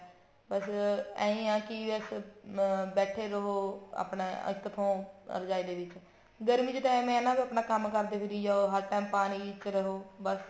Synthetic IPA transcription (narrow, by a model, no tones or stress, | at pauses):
bəsɛ̃ːĩːãːkɪəs | bɛːʈʰeːɾəɦoːa̰ːpneːə̰kːət̪ʰõːə̰ɾd͡ʒaːiːd̪eːʋɪt͡ʃ | ɡəɾmiːt͡ʃt̪ãːmɛ̃ːɪnãːbiːəːpnãːkəmkəɾd̪eːpʰɪɾiːd͡ʒaːoɦəɾʈɛːmpaːniːt͡ʃɾəɦoːbəs